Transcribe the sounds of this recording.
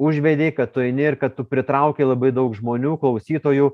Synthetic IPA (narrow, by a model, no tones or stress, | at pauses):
ʊʒʲʋʲɛd̪ʲeɪkɐt̪t̪ːʊɛɪnʲɪɪɾkɐt̪tʊpʲɾʲɪt̪ɾɐʊkʲeːlˠɐbɐɪd̪ɐʊkʒmoːnʲuːklˠɐʊsʲiːt̪oːjuː